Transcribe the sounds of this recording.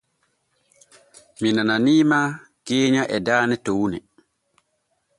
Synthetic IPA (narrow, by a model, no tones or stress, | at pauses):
minananiːma | keːɲaʔɛdaːnɛtownɛ